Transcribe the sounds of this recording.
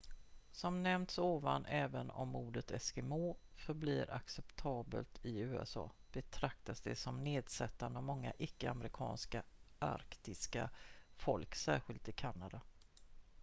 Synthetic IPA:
sɔmnɛmt̪soːvanːʔɛːvənɔ̰mːuːɖət̪ɛskɛmoːfœɾbliːɾʔa̰ksɛpt̪ʰɑːbə̰lt̪ʰɪʉ̟ːɛ̰sɑ̰ːb̥ɛt̪ʰɾakt̪asd̪ɛsɔmneːd̪sɛt̪ːand̪əɔmɔŋːa̰ʔɪkːəamɾɪkʰɑ̰ːnskaʔa̰ɾkt̪ɪskafɔlksæːɾɧɪlt̪ɪkʰanːad̪a

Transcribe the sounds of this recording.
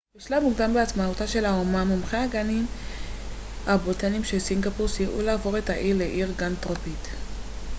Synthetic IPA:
b̥iʃlamuɡdambeat͡smautaʃe̞laomamomχeaɡanim | abotanimʃelsiŋɡapuʁsjeʔṵlaːvoʁetaʔiʁleʔiʁɡantʁopit

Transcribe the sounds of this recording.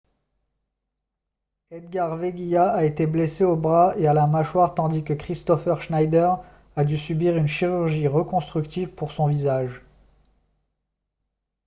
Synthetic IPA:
ɛd̪ɡaʁveɡʲijaaet̪ebleseobʁaealamaʃwaʁt̪ɑ̃d̪ikəkχist̪ɔfœʁʃnajd̪əʁ | ad̪ysybiʁynʃiʁyʁʒiʁəkɔ̃st̪χykt̪ivpuʁsɔ̃vizaʒ

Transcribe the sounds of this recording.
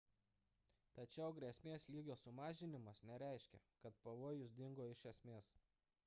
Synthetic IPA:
t̪ɐt͡ʃʲɛʊɡɾʲesʲmʲeːslʲiːɡʲoːsʊmɑːʒʲɪnʲɪmɐsnʲɛɾʲɛˑɪʃʲkʲɛ̰kɐt̪pɐʋoːjʊsd̪ʲɪŋɡoːɪʃʲɛsʲmʲeːs

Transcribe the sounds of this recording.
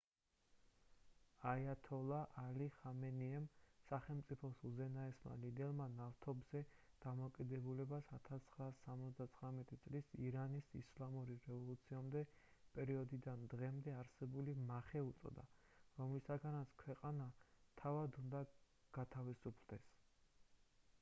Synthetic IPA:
ajat̪ʰɔlˠaʔaliχamɛniɛmsaχɛlˠmt̪sʼipʰɔsuzɛnaɛsma̰lid̪ɛlˠmanaft̪ʰɔbz̥ɛd̪̥amɔkʼid̪ɛbulɛbasat̪ʰast̪sʰχɾaːsːamɔt̪sʰd̪at̪sʰχɾamɛt̪ʼit̪sʼlisiɾanisḭslˠamuɾiɾɛvɔlˠut̪sʰiamd̪ɛ | pʼɛɾiɔd̪id̪and̪ʁɛmd̪ɛaɾsɛbulimaχɛut̪sʼɔ̰d̪a̰ɾɔmlisaɡanat̪skʰwɛqʼanat̪ʰavad̪und̪a | ɡ̥at̪ʰavisupʰld̪ɛs

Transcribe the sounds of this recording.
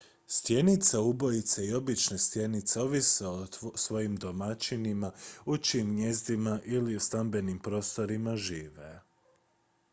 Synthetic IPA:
st̪je̞nit̪saubo̞jit̪seio̞bit͡ʃne̞st̪je̞nit̪seo̞ʋiseosʋo̞jimd̪o̞mat͡ʃinimaut͡ʃiːmnje̞zd̪imaʔiliust̪ambe̞nimpɾo̞ːst̪o̞ɾimaʒiːʋe

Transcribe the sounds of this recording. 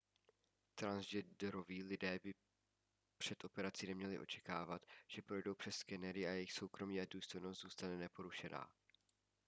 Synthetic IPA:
t̪ɾanzd͡ʒɛdɛɾoviːlɪdɛːbɪ | pr̥ɛt̪ʔo̞pɛɾat͡sinɛmɲɛlɪ̰ʔo̞̰t͡ʃɛ̥kaːvat̪ʒ̥ɛpɾo̞jdo̞wpr̝̥ɛsːkɛnɛɾɪajɛjɪxso̞wkɾo̞miːaduːst̪o̞jno̞st̪z̥uːst̪anɛnɛpo̞ɾuʃɛna̰ː

